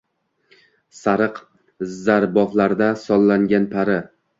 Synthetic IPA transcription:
saɾɨq | zaɾbɒflaɾd̪asɒlˠːaŋɡʲanpʰaɾɪ

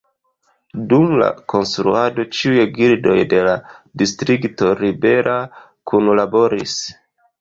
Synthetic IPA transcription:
dumla̰ko̞nstɾuado̞t͡ʃiujeɡiɾdo̞jde̞ladistɾikto̞ɾibe̞ɾʔa | kunlabo̞ɾis

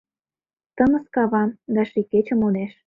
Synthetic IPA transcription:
t̪ə̆mə̆skɑβɑmd̪ɑʃiket͡ɕə̆mod̪eʃ

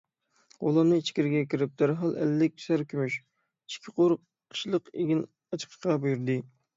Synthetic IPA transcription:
ṵlˠɑɾnɨit͡ʃʰi̥kʲiɾɪɡʲɛkʲʰiɾɪp̚d̪æɾɦɑlˠɛ̰lːɪk̚ʲʰy̥sæɾkʲʰymyʃ | i̥kʲʰɪ̥qoɾqʰː | ʃlˠəqeɡʲin | ɑt͡ʃʰə̥qʰə̥ʃqɑbjyɾd̪ɨ

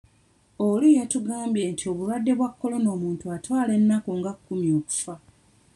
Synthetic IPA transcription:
olijatuɡaːmbjeːntʰio̞βuɾwadːe̞βwakːo̞lo̞no̞ːmuːntuatwaːle̞nːakuŋɡakkːumjo̞ːku̥fa

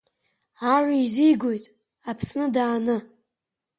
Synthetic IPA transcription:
aʕʷizijɡʷojtʼ | apʰsnɨdaːnɨ

